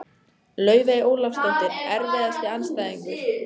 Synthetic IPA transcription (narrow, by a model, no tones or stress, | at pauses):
lœːɥveoːwlafst̪ɔht̪ɪɾɛɾvɛːðast̪ɪanst̪ajðiŋkʏ̥